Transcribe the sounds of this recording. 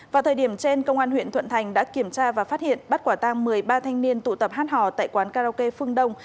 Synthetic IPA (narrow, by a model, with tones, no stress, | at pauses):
vaː˨˩wt̪ʰəː˨˩jɗi˧˩əmt͡ɕe˧nkə˧wŋ͡mʔaː˧nhwḭ˧˨ənt̪ʰwə̰˧˨nt̪ʰa˨˩jŋ̟ɗa̰ː˧˥ki˧˩əmt͡ɕaː˧vaː˨˩faː˦˥t̚hḭ˧˨ənɓa˦˥t̚kwaː˧˩t̪a˧ŋmɨ˨˩əjɓaː˧t̪ʰa˧jŋ̟ni˧ənt̪ṵ˧˨t̪ə˨˩p̚haː˦˥t̚hɔ̰˧˨t̪a̰ː˧˨jkwaː˨˦nkaː˧a˧ke˧fɨ˧əŋɗə˧wŋ͡m